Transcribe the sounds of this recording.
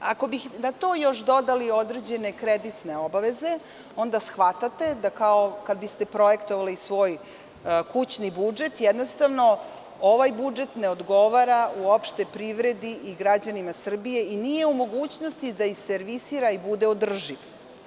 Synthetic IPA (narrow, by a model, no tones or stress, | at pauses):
ako̞bixnat̪o̞ːjo̞ʃd̪o̞d̪alio̞d̪ɾed͡ʑene̞kɾed̪it̪ne̞o̞baʋe̞ze̞ | o̞nd̪asxʋat̪at̪e̞d̪akao̞kad̪̚bist̪e̞pɾo̞jekt̪oʋalisʋo̞ːj | kut͡ɕnibud͡ʒe̞t̪jed̪nost̪aʋno̞ | oʋajbud͡ʒet̪neod̪ɡo̞ʋaɾauopʃt̪epɾiʋɾe̞d̪iʔiɡɾad͡ʑanimasr̩bije̞inije̞umo̞ɡuːt͡ɕnost̪id̪aixseɾʋisiːɾaibud̪eod̪r̩ʒiʋ